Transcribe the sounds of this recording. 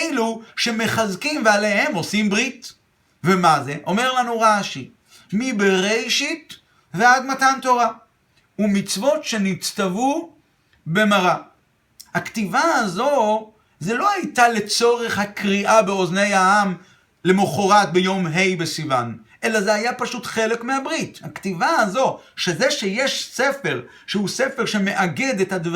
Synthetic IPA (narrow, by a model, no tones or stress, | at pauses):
ejluʃe̞me̞χazkimveale̞ɦe̞mo̞simbʁit | ve̞maze̞ʔo̞me̞ʁlanuʁaʃi | mibeʁejʃit | vead̪matanto̞ʁa | umit͡svo̞tʃenit͡st̪avu | be̞maʁa | hakt̪ivaazo̞ | ze̞lo̞hajtale̞t͡so̞ʁe̞χhakʁiʔabeozne̞jaam | le̞moχoʁat̪̚bejo̞mɦejbesivanʔe̞lazehajapaʃutχe̞le̞kmeabʁithakt̪ivaːzo̞ | ʃezeʃejeʃse̞fe̞ʁ | ʃehusefeʁʃe̞me̞ʔaɡe̞d̪ethadv